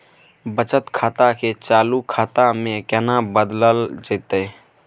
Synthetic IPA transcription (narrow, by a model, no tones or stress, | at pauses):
bət͡ʃət̪kʰaːt̪aket͡ʃaːlukʰaːt̪amẽkɛnabəd̪ləld͡ʒet̪e